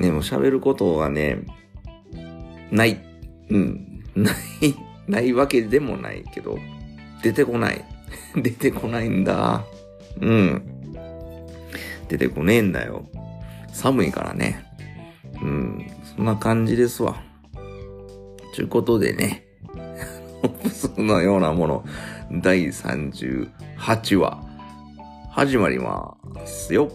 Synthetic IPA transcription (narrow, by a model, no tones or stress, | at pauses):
d̪e̞mo̞ɕa̰be̞ɾɯ̟ko̞t̪o̞ɡane̞̰ | nai | ɯ̟̃nai | naiβake̞d̪e̞mo̞̰na̰ike̞d̪o̞̰ | d̪̥e̞t̪e̞ko̞na̰ḭd̪e̞t̪e̞kʰo̞naĩnd̪a̰ | ɯ̟̃ | d̪̥e̞t̪e̞ko̞nẽ̞nd̪ajo̞̰ | samɯ̟ika̰ɾa̰nḛ | ɯ̟̃sõ̞nːakãɲ̟d͡ʑid̪e̞sɨβa̰ | t̪ɨ̰ko̞t̪o̞d̪e̞̰ne | opsonojo̞ːnamo̞no̞̰d̪aisã̰ɲd͡ʑɨ̰ːhat͡ɕiβa̰ | haʑimaɾʲima̰sɨjo̞